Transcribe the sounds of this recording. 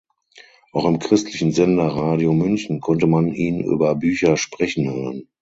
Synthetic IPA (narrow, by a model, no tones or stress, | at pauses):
ʔaʊxɪmkʁ̥ɪstʰlɪçn̩zɛndɐʁaːdiomʏnçn̩kʰɔntəmaniːnʔy̰ːbɐbyːçɐʃpʁ̥ɛçn̩høːʁən